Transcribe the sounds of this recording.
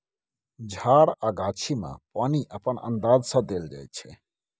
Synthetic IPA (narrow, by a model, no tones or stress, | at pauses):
d͡ʑʱaɾaɡaːt͡ɕʰimã̰paniʔapanə̰nd̪aːzsad̪eld͡ʒa̰jt͡ɕʰe